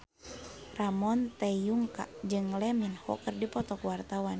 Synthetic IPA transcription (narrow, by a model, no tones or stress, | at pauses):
ramɔnt̪ɛjuŋka̰d͡ʒɨŋlɛminhɔ̰kɨrdipɔt̪ɔkwart̪awan